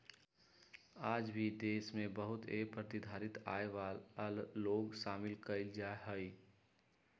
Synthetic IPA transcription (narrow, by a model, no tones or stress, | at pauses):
aːd͡ʒbʱid̪eːsmẽbəɦʊt̪epɾət̪ɪd̪ʱaːɾɪt̪a̰ːeʋalːoːɡʃaːmɪlkəɪld͡ʒaɦəi